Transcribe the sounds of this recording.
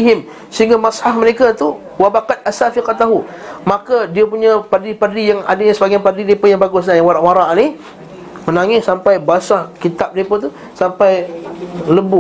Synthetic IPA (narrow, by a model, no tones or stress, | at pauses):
ɦɪm | səɦiŋɡamasħafməɾekat̪u | wabaqat̪̚ʔasafiqat̪aɦumakadiapuɲãpardliparlijaŋa̰dəɲasəbaɡajpadidepəjaŋbaɡʊs̬ɲajaŋwaɾaʔwaɾaʔnih | mənaŋɪssːampajbasakit̪ap̚diepət̪u | sampaj | ləbu